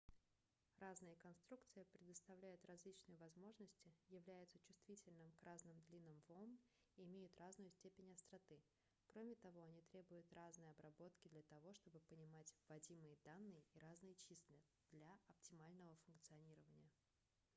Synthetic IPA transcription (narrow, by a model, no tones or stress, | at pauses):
raznɨjəkɐnst̪ɾukt̪sɨjəpɾʲɪd̪əst̪ɐvlʲæjʊt̪rɐzlʲit͡ɕnɨjəvɐzmo̞ʐnəsʲtʲɪjɪvlʲæjʊt̪sət͡ɕʊ̥st̪vʲitʲɪlʲnɨmkraznɨmd̪lʲinəmvom | iɪmʲejʊt̪raznʊjʊsʲtʲepʲɪnʲɐst̪ɾɐt̪ɨ | kɾo̞mʲɪt̪ɐvo̞ɐnʲit̪ɾʲe̞bʊjʊt̪raznɨjɐbɾɐbo̞t̪kʲɪd̪lʲət̪ɐvo̞ʂt̪o̞bɨpənʲɪmatʲvɐdʲimɨjəd̪anːɨjəiɾaznɨjət͡ɕisʲlʲɪ | d̪̥lʲaɐp̚tʲɪmalʲnəvəfʊnk̚t̪sɨɐnʲiɾəvənʲɪjə